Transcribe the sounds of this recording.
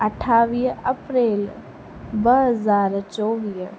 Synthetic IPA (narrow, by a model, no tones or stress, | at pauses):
ɐʈʰaːʋiːɦɐpɾeːl | bəɦəzaːɾt͡ʃoːʋiːɦ